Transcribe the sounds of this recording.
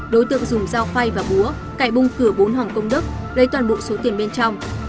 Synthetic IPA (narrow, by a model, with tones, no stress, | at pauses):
ɗo˨˦jt̪ɨ̰˧˨ə˨ŋzʊ˨˩ŋ͡mzaː˧wfa˧jvaː˨˩ɓu˨˦ə | kaː˧˩jɓʊ˧ŋ͡mkɨ˧˩əɓo˨˦nɦɔ˨˩ŋ͡mkə˧wŋ͡mɗɨ˦˥k̚ | zə˨˦jt̪waː˨˩nɓo̰˧˨so˨˦t̪i˨˩ənɓe˧nt͡ɕɔ˧wŋ͡m